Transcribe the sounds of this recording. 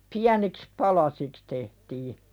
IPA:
piæniks pɑlɑsiks tehtiː

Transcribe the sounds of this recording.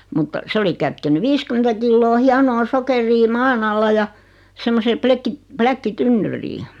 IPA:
mutːɑ se oli kætkeny ʋiːskymentæ kilːoː hiɑnoː sokeriː mɑːn ɑlːɑ jɑ semːoseː plekːi plækːitynːyriː

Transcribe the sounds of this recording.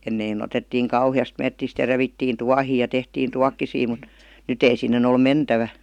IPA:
enːein otetːiːŋ kɑuhiɑst metːist jɑ reʋitːiːn tuɑhiː jɑ tehtiːn tuɑkːisiː mut nyt ei sinːen ol mentæʋæ

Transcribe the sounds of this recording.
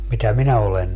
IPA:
mitæ minæ olen

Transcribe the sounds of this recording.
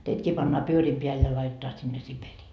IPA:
teitkiː pɑnːɑː pyøriːm peæl jɑ lɑitetɑː sinːe siperiː

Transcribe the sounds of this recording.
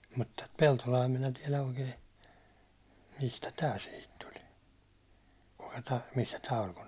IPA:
mut tæt peltolɑː minæ tiɛlæ oikeː mistæ tæː sihit tuli kukɑ̥ tæ̥ misːæ tæ olʲ kun

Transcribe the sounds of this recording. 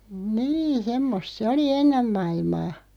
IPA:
niː semːost se oli enːem mɑilmɑː

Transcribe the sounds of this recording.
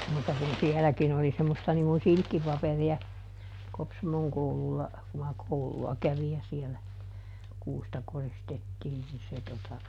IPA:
muˑtˑɑ kun siɛlækin oli semːostɑ niŋ kun silkːipɑperiɑ kopsɑmoŋ koululːɑ ku mɑ kouluɑ kæʋij jɑ sielæ kuːstɑ koristetːiːn ni se totɑ

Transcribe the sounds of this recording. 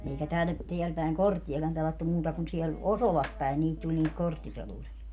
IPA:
eikæ tær teæl pæˑeŋ kortːiɑkɑm pelɑtːu muːtɑ kun siɛl osolɑs pæen niːt tulʲ niːt kortːipeluriɑ

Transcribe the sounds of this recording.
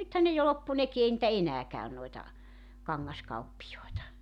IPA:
nythæn ne jo lopːu neki ei nĭtæ enæː kæyn noetɑ kɑŋːɑskɑupːijoetɑ

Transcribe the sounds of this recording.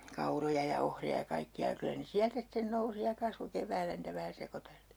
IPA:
kɑurojɑ jɑ ohriɑ jɑ kɑikːiɑ jɑ kylæ ne siæltæ sĭten nousi jɑ kɑsʋo keʋˑæːlːæ niːtæ ʋæhæ sekoteltiː

